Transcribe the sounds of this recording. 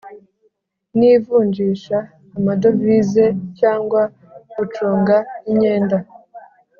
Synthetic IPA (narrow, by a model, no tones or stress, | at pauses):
nivuːɲɟiːʃaː | madovize̞caːŋɡwa | ut͡ʃoːŋɡaiɲe̞ːnda